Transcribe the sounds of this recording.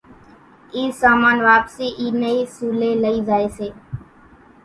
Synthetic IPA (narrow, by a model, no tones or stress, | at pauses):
iːsaːmaːnʋaːpsiːʔiːnəiːsuːleːləiːzaːeːseː